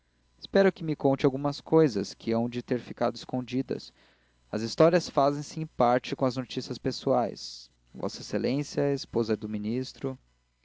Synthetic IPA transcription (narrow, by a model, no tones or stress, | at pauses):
ɪ̥spɛɾʊkɪmɪkõnt͡ʃɪawɡũmɐskojzɐskʰɪɐ̃w̃d͡ʒɪt̪eɾfikad̪ʊɪskõd͡ʒid̪ɐ̰s | ɐ̰zist̪ɔɾiɐsfazẽj̃sɪẽj̃paɾt͡ʃɪkõɐznot͡ʃisiɐspesuajs | vɔ̰sɐeselẽsjɐespozɐd̪ʊminist̪ɾʊ